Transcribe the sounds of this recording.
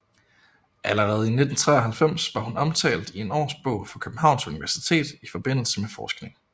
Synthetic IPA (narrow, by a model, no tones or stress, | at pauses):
ʔæləʁɛːð̞̩ˠine̝d̥n̩t͡sʰʁɛɐɦhælfem̰sʋɑ̈hunɒ̽mt͡sʰɛ̰ːld̥ie̝nɒ̰ːsb̥ɔ̽ʊ̰fɒ̽kʰøb̥n̩ɦɑ̈ʊ̰nsuniʋæɐsi̥t͡sʰe̝̰ːd̥ifɒ̽b̥e̝n̰l̩səmefɒːsɡ̥ne̝ŋ